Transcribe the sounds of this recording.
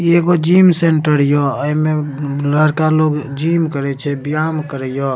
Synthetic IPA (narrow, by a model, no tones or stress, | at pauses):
eɡod͡ʒimseɳʈəɾjɔəimeləɽkaloɡd͡ʒimkəɾɛt͡ʃʰɛbijamkəɾəjɔ